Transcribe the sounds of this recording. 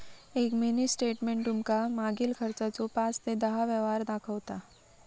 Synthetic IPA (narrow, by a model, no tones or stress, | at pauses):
eːkmenisʈeːʈmẽɳʈɾumkamaːɡɪlkʰɐɾt͡ʃat͡ʃopãːt͡ʃt̪ed̪ɐɦaʋəːʋɦaːɾd̪aːkʰəːt̪aː